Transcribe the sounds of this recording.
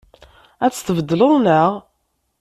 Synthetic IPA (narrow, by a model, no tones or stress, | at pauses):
æt͡sːt̪əvəd̪ːloðˤnəʁ